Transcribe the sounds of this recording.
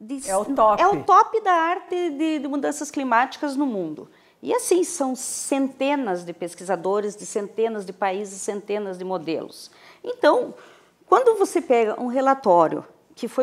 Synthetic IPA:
d̪ɪɛʊɔɛʊt̪ɔpɪd̪ɐaɾt̪ɪd̪ɪd̪ɪmud̪ɐ̃sɐsklimat͡ʃi̥kɐznʊmũnd̪ʊ̰ | ɪ̰asĩsɐ̃w̃sẽnt̪ẽnɐzd̪ɪpeskizad̪oɾɪzd̪ɪsẽnt̪ẽnɐzd̪ɪpaizɪsẽnt̪ẽnɐzd̪ɪmod̪ḛlʊ̰s | ẽnt̪ɐ̃w̃ | kwɐ̃nd̪ʊvosepɛɡɐʔũɦelat̪ɔɾjʊ̰ | kɪfo

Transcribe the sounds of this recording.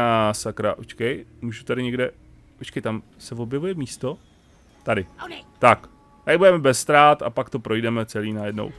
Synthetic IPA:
asakɾaʔot͡ʃkɛjmuːʒut̪aɾɪɲɛɡdɛ | pot͡ʃkɛjt̪am | sɛvo̞bjɛvujɛmiːst̪o̞ | t̪adɪt̪ak | t̪aɾɪbudɛmɛbɛsːt̪ɾaːt̪a̰pakt̪o̞pɾo̞jdɛmɛt͡sɛliːnajɛdno̰w

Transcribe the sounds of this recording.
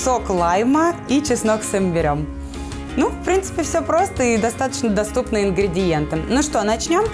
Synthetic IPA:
soklˠajməit͡ɕɪsnoksɨmbʲɪɾʲo̞m | nufpɾʲint̪sɨ̥pʲɪfsʲɵpɾo̞st̪əid̪ɐst̪at̪ə̥t͡ɕnəd̪ɐst̪upnɨɪnɡɾʲɪdʲɪjent̪ɨnuʂt̪onɐt͡ɕnʲo̞m

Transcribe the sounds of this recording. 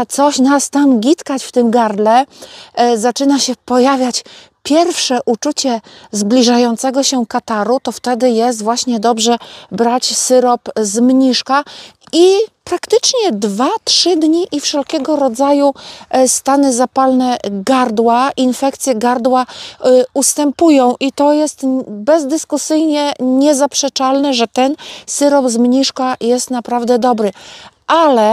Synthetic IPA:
t̪sɔɕnast̪amɡʲit̪kat͡ɕft̪ɘmɡaɾd̪lɛ | zat͡ʂɘnaɕɛpɔjavʲjat͡ɕ | pʲjɛɾfʂɛʔut͡ʂut͡ɕɛzblʲiʐajɔnt̪sɛɡɔɕɛkat̪aɾut̪ɔft̪ɛd̪ɘjɛs̬t̪vwaɕɲɛd̪ɔbʐɛbɾat͡ɕsɘɾɔpzmɲiʂka | ipɾakt̪ɘt͡ʂɲɛd̪vatʂɘd̪ɲiʔifʂɛlkʲɛɡɔɾɔd̪zajust̪anɘzapalnɛɡaɾd̪waʔinfɛk̚t̪sʲjɛɡaɾd̪wa | ust̪ɛmpujɔ̃w̃ʔit̪ɔjɛst̪bɛzd̪ɘskusɘjɲɛɲɛzapʂɛt͡ʂalnɛʐɛt̪ɛnsɘɾɔpzmɲiʂkajɛst̪napɾavd̪ɛd̪ɔbɾɘʔalɛ

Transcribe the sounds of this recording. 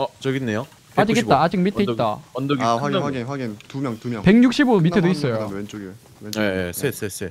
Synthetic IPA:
ʌt͡ɕʌɡinːejo | ad͡ʑikket͈aad͡ʑik̚mitʰeit͈a̰ʌndoɡaaɡiaɡintumjʌŋtumjŋpe̞ɡŋɲuk̚ɕ͈ibomitʰedois͈ʌjot͡ɕoɡ | ejesʰesʰesʰe

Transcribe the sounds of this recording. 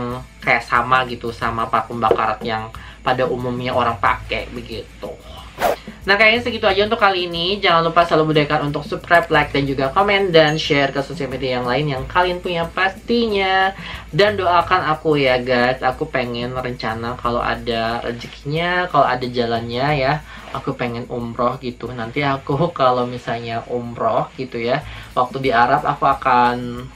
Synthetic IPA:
ŋkajaʔsamaɡit̪usamapakuŋbaka̰ɾat̪jaŋ | padaʔumumɲaʔoɾaŋpa̰kɛ̰bəɡit̪u | nahkajaɲasəɡit̪uad͡ʒaunt̪ʊkːaliːnid͡ʒaŋanlupasalubudajkanunt̪ʊksup̚kɾaplajk̚dand͡ʒuɡakomɛndanʃɛrkəsosialmediajaŋlaɪnjaŋkalianpuɲjapast̪iɲadandoakanakujaɡajsakupeŋɛnrəɲt͡ʃanakalo̰ʔa̰darə̰d͡ʒəkɲakaloadad͡ʒalanɲaja | akupeŋɛnumɾɔhɡit̪unant̪iakukalomisalɲaʔumɾɔhɡit̪ujawak̚t̪udiaɾapa̰kuakan

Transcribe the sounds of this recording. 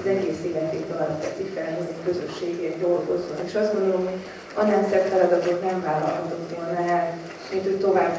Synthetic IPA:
zɛɡeːseːlɛt̪eːøɒɒt̪tɛt̪sikfɛlɦɛzekøzøʃːeːɡeːd̪olɡokot̪vonkeːʃɒszdɡo̞nd̪olo̞mɦo̞ɟ | ɒnːɛnsɛk̪fɛlɒd̪ɒt̪ok̪nɛɱvaːlːɒ̰lɦɒt̪ot̪ʋolnɒɛl | mint̪hoct̪o̞vaːb

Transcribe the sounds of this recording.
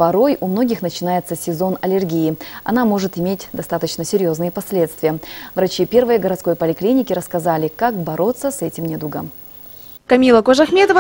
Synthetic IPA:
pɐɾo̞jʊmno̞ɡʲɪxnət͡ɕɪnajɪt̪səsʲɪzo̞nɐlʲɪrɡʲijɪɐ̰namo̞ʐɨt̪ɪmʲetʲd̪ɐst̪at̪ət͡ɕnəsʲɪɾʲjo̞znɨjəpɐsʲlʲe̞t̪st̪vʲɪjəvɾɐt͡ɕipʲe̞rvɨjəɡəɾɐt̪sko̞jpəlʲɪklʲinʲɪkʲɪɾəskɐzalʲɪkakbɐɾʔo̞t̪sːəsɛtʲɪmnʲed̪uɡə̰m | kɐmʲilˠəkoʐɐxmʲet̪əv

